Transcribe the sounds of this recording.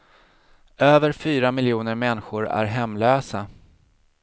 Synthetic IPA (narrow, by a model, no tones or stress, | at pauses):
øːvəɾfyːɾamɪljuːnəɾmɛnɧʊɾæ̰ɾɦɛmːløːsa